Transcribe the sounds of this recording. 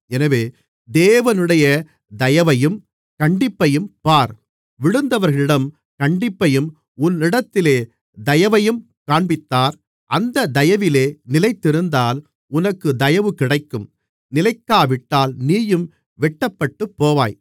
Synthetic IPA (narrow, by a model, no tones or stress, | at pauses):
ɛnɐʋeː | d̪eːʋɐnɯɽɐjɐ | d̪ɐjɐʋɐjɯm | kɐɳɖɪpːɐjɯmpaːɾ | ʋɪɽɯnd̪ɐʋɐɾɣɐɭɪɽɐm | kɐɳɖɪpːɐjɯm | ʊnɪɽɐt̪ːɪleː | d̪ɐjɐʋɐjɯm | kaːɳbɪt̪ːaːɾ | ʔɐnd̪ɐd̪ɐjɐʋɪleːnɪlɐɪt̪ːɪɾɯnd̪aːl | ʊnɐkːɯd̪ɐjɐʋɯkɪɽɐɪkːɯm | nɪlɐɪkːaːʋɪʈːaːlniːjɯm | ʋɛʈːɐpːɐʈːɯpːoːʋaːj